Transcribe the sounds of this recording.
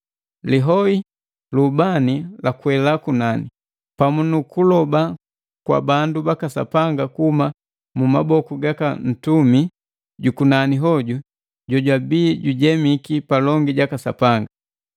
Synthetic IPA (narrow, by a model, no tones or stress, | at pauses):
liɦɔi | lubanilakwɛlakunani | pamunukulɔba | kwa̰bandubakasa̰paŋɡakuhuma | mumabɔkuɡakan̩tumi | ɟukunaniɦɔɟu | ɟɔɟwabiːɟuɟɛmikipalɔŋɡiɟakasa̰paŋɡa